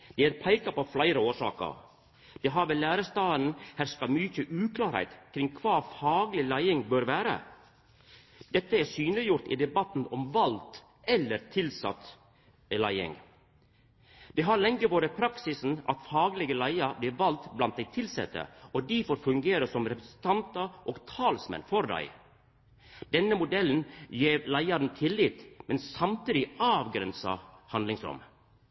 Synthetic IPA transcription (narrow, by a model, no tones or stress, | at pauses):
d̪̥ɛːæːɾpʰæɪkɑpoflæɪɾəoːʂɑ̰ːkə̰ɾ | d̪̥ɛɦɑːɾʋɛlæːɾəst̪ɑːn̩hæːɾskɑmyçəʔʉːkʰlɑːɾhæ̰ɪt̪kʰɾɪŋkʰʋɑːfɑːɡlɪlæɪɪŋbøːɾʋæːɾə̰ | d̪̥ɛt̪ːəæɾsyːnlɪjʊɾt̪ḭːd̪ɛbɑt̪n̩ɔmʋɑlt̪ | ʔɛlːəɾt̪ʰɪlsɑ̰t̪ | læɪɪ̰ŋ | d̪̥ɛːɦɑɾlɛŋːəʋoːɾəpʰɾɑksɪsn̩ɑ̰t̪fɑːɡlɪɡəlæɪɑɾbliːʋɑlt̪blɑnt̪̚d̪æɪt̪ʰɪlsɛ̰t̪ə̰ɔd̪ifoːɾfʉŋɡeːɾəsɔmɾɛpɾɛsn̩t̪ʰɑnt̪ɑʔoːɡt̪ʰɑːlsmɛ̰nfɔɾd̪æ̰ɪ | d̪̥ɛnːəmʊd̪ɛln̩jeːɾlæɪɑɾnt̪ʰɪlːit̪mɛnssɑmt̪iːd̪ɪɑːʋɡɾɛnsɑ̰hɑnd̪lɪŋsɾʊ̰m